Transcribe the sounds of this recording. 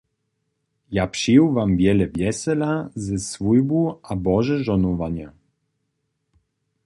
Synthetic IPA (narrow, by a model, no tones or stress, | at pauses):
japʂiwvamvʲjɛlɛvʲjɛsɛlazɛsvujbuabɔʐɛʐɔnɔvaɲa